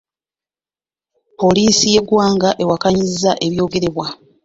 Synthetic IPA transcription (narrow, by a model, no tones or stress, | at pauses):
po̞liːsije̞ɡwaːŋɡaʔe̞wakaɲizzːaʔe̞βjo̞ːɡe̞ɾe̞βwa